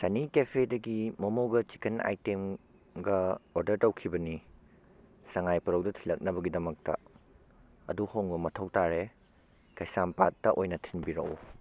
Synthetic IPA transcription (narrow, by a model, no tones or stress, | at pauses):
sɐnikepʰedɐɡimɐmoɡɐt͡ʃi̥kɐna̰jtem | ɡɐoɾdɐɾtɐwkʰibɐni | sɐŋajpɐɾɐwdɐtʰilɐk̚nɐbɐɡidɐmɐk̚tɐ̰ | ɐ̰duhoŋbɐmɐtʰɐwtaɾe | kɐjsampatːɐʔojnɐtʰinbiɾɐ̰ʔṵ